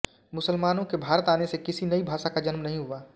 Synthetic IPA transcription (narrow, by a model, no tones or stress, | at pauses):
mʊsəlmaːnõkebʱaːɾət̪aːnesekɪsinəibʱaːʃakad͡ʒənmnəɦĩɦuaː